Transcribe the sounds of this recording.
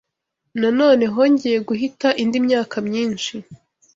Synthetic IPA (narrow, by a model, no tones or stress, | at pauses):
nano̞ːne̞ɦoːɲɟeje̞ɡuɦitaʔindimɲaːkʰamɲiːnʃi